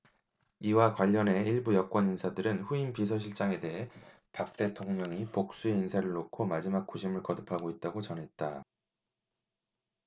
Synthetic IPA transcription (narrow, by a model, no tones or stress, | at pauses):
iwakwaʎːʌne̞iɭbujʌk̚k͈wʌninsʰadɯɾɯnɸuinpis̬ʰʌɕʰiɭt͡ɕ͈aŋe̞de̞ɦe̞ | pak̚t͈e̞tʰoŋɲʌŋipok̚s͈ue̞insʰaɾɯɭːokʰomad͡ʑimak̚k͈oɕʰimɯɭkʌdɯpʰaɡoit̚t͈aɡot͡ɕʌnɦe̞t̚t͈a